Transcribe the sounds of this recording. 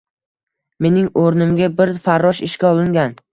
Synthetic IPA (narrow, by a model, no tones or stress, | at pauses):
me̞nɪŋoɾnɪmɡʲabɪɾfaɾːɒʃɪʃkʲaɒlˠɪŋɡʲan